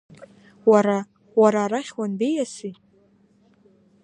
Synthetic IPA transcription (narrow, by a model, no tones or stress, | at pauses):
waɾa | waɾaːɾaχʲwanbejasi